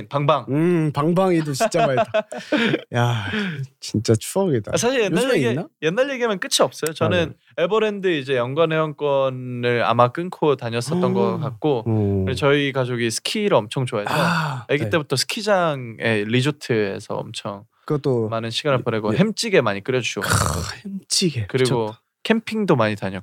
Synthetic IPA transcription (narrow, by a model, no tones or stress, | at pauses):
paŋbaŋɯpaŋbaŋidot͡ɕit͡ɕ͈amaa | ja | t͡ɕint͡ɕ͈at͡ɕʰuʌɡeda̰asʰaɕʰiɭjenːaeɡieajenːaɭje̞ɡiamɯnk͈ɯt͡ɕʰiʌp̚s͈ʌjot͡ɕʌnɯn | ebʌɾe̞ndɯid͡ʑe̞jʌŋɡwanheʌnk͈wʌnɯɭa̰mak͈ɯnkʰotaɲʌs͈ʌtt͈ʌnɡʌk͈ak̚k͈oet͡ɕʌikad͡ʑoɡisʰɯ̥kʰiɾɯʌmt͡ɕʰʌŋt͡ɕoaeojeɡit͈e̞butʰʌsʰɯ̥kʰid͡ʑaŋe̞ɾid͡ʑotʰɯe̞̰sʰʌ̰ʌ̰mt͡ɕʰʌŋ | kɯt͈omanɯnɕʰiɡanɯɭpone̞ɡoɦemt͡ɕ͈iɡe̞maɲik͈ɯɾjʌd͡ʑuɕʰiɡo̰hemt͡ɕ͈iɡekɯɾiɡo | kʰe̞mpʰiŋdomaɲitaɲʌk͈o